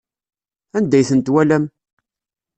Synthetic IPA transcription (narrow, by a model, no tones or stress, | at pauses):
ænd̪æjθənt̪wælæm